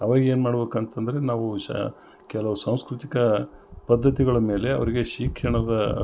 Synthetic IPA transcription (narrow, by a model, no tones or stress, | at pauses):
ɐʋaːɡeːnmaːɽɐbeːkɐnt̪ɐnd̪ɐɾe̞naːʋu | kɛlɐʋusɐwskɾut̪ikɐpɐd̪ʱːɐt̪̬iɡɐɭɐme̞ːle̞ɐ̰ʋɐɾiɡe̞ʃiːkʂɐɳɐd̪ɐ